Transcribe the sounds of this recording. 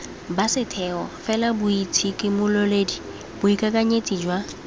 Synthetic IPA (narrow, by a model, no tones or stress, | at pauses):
basɪtʰɛɔfɛlabʊitʰikʼɪmʊlɔleːdi | bʊikʼakʼaɲet͡sʼid͡ʒwa